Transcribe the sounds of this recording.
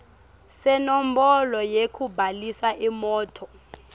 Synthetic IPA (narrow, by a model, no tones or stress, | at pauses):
sɛnom̩bɔlɔjekʰubʱalisaʔimɔːtʰɔ